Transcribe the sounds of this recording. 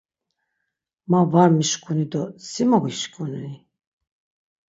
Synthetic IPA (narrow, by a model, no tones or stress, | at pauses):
mavaɾmiʃkʰʼunid̪ɔsimɔʁiʃkʼunini